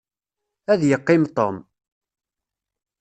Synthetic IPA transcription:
æðjəqːɪmt̪ˤom

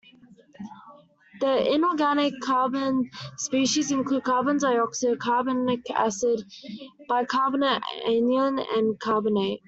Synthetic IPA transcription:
ðiɪ̃nɔːɡænɪkʰːɑːbə̃nspiːˑʃizɪ̃nkʰluːd̚kʰɑːbə̃nzaɪɔksəkʰɑːbənɪkæ̰sɪd | b̥aɪkʰɑːbənəḛ̃njə̃nə̰̃nkʰɑːbəneɪʔ̚

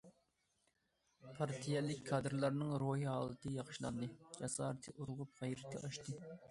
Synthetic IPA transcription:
pʰɑɾt̪ʰijɛlːɪkʲkʰːɑd̪ɾlˠɑɾnɨŋɾoɦiɦɑːlˠɨt̪ʰɨjɑχʃlˠɑ̰nd̪ɨd͡ʒɛsɑːɾɨt̪ʰɨʔuɾʁʊp̚ʁɛjɾɪkʰʲːɛ̰ʔɑʃt̪ɨ

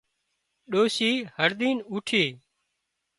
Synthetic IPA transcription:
ɗoːsiːhəɾd̪iːnuːʈʰeː

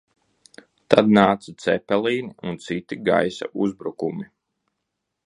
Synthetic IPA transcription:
t̪ad̪̚naːt̪sat̪sɛpɛlˠiːniunt̪sit̪iɡa̰jsa̰ʔuzbɾukumi

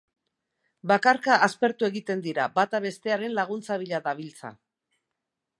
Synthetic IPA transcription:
bakaɾkaʔːspe̞ɾt̪ue̞ɣit̪e̞nd̪iɾabat̪aβe̞st̪e̞aɾe̞nlaɣ̞unt͡saβiʎaðaβilt͡sa̰

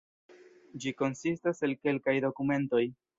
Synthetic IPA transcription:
d͡ʒiko̞nsistase̞lke̞lkajdo̞kume̞nto̞j

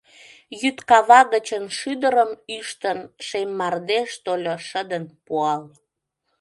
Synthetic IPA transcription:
jyt̪kɑβɑɣət͡ɕənʃyd̪əɾəmyʃt̪ənʃemːɑrd̪eʃt̪olʲoʃəd̪ənpuɑl

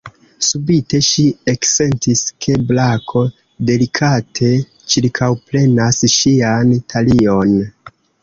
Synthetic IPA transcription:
subite̞ʃiekse̞ntiskʰe̞blakʰo̞ | de̞likʰatʰe̞ | t͡ʃiɾkʰawple̞nasʃiantʰalio̞n

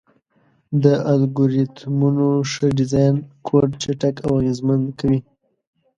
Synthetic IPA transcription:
d̪əʔalɡuɾit̪munoʂəɖɪzɑjnkʰoɖ̚t͡ʃaʈakawaɣezmand̪kawi

